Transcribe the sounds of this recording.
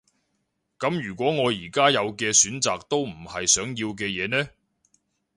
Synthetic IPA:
kɐ˨˥mjyː˨˩kʷwɔː˨˥ŋɔː˨˧jiː˨˩kaː˥jɐ˨˧wkɛː˧syː˨˥nt͡saː˨k̚t̪o˥wm̩˨˩hɐ˨jsœː˨˥ŋjiː˧wk̬ɛː˧jɛː˨˧nɛː˥

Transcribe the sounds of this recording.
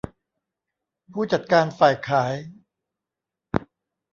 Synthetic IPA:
pʰuː˥˩t͡ɕa˨˩t̪̚kaː˧nfaː˨˩jkʰaː˩˦j

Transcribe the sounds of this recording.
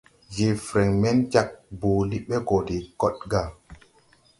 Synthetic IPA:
je˨fɾɛ˨ŋmɛ˦nt͡ʃa˨k̚buː˨li˦ɓe˦ɡo˨di˨kɔ˦t̚ɡa˦˨

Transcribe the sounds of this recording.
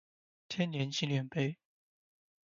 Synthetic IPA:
t̪ʰjɛ˥nnjɛ˧˥nt͡ɕʰi˥ljɛ˨˩npe˥ɪ

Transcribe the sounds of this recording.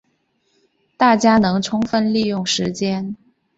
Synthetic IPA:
t̪a˥˩t͡ɕja˥nɤ˧˥ŋʈ͡ʂʰʊ˥ŋfə˥˧nli˥˧jʊ˥˩ŋʂɻ̩˧˥t͡ɕjɛ˥n

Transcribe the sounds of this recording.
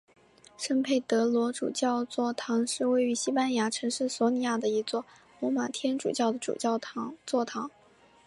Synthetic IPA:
ʂə˥npʰe˥˩ɪt̪ɤ˧˥lwɔ˧˥ʈ͡ʂṵ˨˩t͡ɕjɑ˥˧ʊt͡swɔ˥˩t̪ʰɑ˧˥ŋʂɻ̩˥˧we˥˩ɪy˧˥ɕi˥pa˥nja˧˥ʈ͡ʂʰɤ˧˥ŋʂɻ̩˥˩swɔ˧˥ni˨˩ja˥˩d̪ə˩i˧˥t͡swɔ˥˩ | lwɔ˧˥ma˨˩t̪ʰjɛ˥nʈ͡ʂṵ˨˩t͡ɕjɑ˥˩ʊd̪ə˩ʈ͡ʂṵ˨˩t͡ɕjɑ˥˩ʊ˧˥t͡swɔ˥˩t̪ʰɑ˧˥ŋ

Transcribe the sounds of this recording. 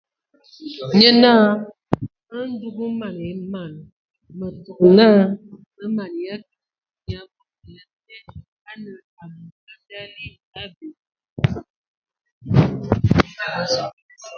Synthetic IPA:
ɲə˦naː˦ | ə˦n˦du˦ɡu˦ma˨ne˨˦ma˨n | mə˨tɔ˨kna˦mə˦ma˨n˨ja˦k | ɲa˨fu˦˨ja˦tɛ˦ | a˦nə˨ | a˨m˨ka˦da˦li˦ | a˦be˨˦

